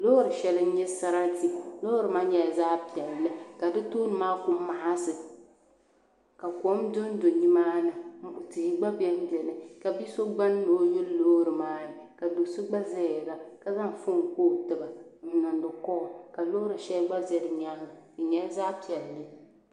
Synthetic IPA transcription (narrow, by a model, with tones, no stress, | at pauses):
lo˦ɾɨ˨ʃɛ˨lɨ˦ɲɛ˦sa˦ɾa˦ti˦˨lo˦ɾɨ˨maː˦ɲɛ˨a˨zaː˦pi˨ɛ˨lːɨ˦ka˨dɨ˦to˦nɨ˨maː˦kʊ˦m˦ma˨ha˦sɨ˨ | ka˨kʷɔ˨˦mdʊ˦n˦do˨ɲi˦maː˦nɨ˨˦˨ti˨i˦ɡ͡ba˦bi˦ɛ˦m˦bi˨ɛ˨lɨ˨ka˨bi˦so˦ɡ͡ba˦nː˦o˨˦jʊ˦lo˦ɾɨ˨maː˦ɪ˨ka˨do˨so˦ɡ͡ba˦zɛ˦˨la˨ka˨za˦ŋ˨fʊ˦˨ŋ˨koː˦tɨ˨ba˨n̩˨˦nɔ˨ndɨ˨kɔ˦ʔka˨lo˦ɾɨ˨ʃɛ˦lɡ͡ba˦zɛ˦ɾɨ˨ɲa˦ŋ˨ɨ˨ɲɛ˦zaː˦pi˨ɛ˨lːɨ˦